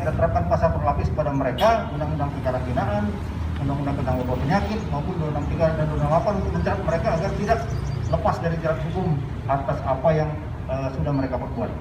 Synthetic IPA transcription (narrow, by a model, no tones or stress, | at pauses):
it̪at̪əɾap̚kanpasapʊnlapɪsəpadaməɾekamudaŋundaŋpiɡaɾanbinaʔan | mundaŋundaŋkəndaŋbərbawapəɲakɪt̪̚maupʊndunaŋt̪iɡaɾadandunaŋmapankəd͡ʒəɾat̪̚məɾekaːɡart̪idak̚ləpasdaɾid͡ʒəɾat̪̚suɡʊm | at̪asapajaŋ | əsudahməɾekapərbua̰t̪̚